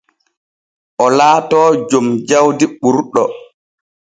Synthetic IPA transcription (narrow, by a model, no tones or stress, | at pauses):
ʔɔlaːtɔːd͡ʒomd͡ʒawdiɓuɾɗɔ